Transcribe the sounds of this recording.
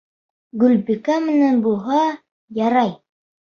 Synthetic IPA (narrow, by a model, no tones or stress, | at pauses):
ɡɵlbikæmɘ̆nænbulˠɦɑ | jɑɾɑj